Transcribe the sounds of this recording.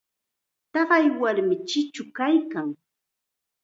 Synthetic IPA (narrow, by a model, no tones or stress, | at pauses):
t̪ɑɢɑjwaɾmɪt͡ʃɪt͡ʃʊkajkaŋ